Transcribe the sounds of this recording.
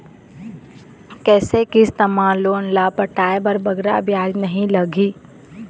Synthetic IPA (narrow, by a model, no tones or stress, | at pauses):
kɛːsekɪst̪ɐmãloːnlapəʈaːebəɾbɐɡɾabjaːd͡ʒnɐɦĩlɐɡiː